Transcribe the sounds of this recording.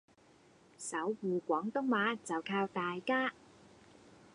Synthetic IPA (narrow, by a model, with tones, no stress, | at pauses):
sɐ˨˥wːuː˨˩kʷɔː˨˥ŋt̪ʊ˥ŋmaː˨˥t͡sɐ˨wkʰaː˧wt̪aː˨jkaː˥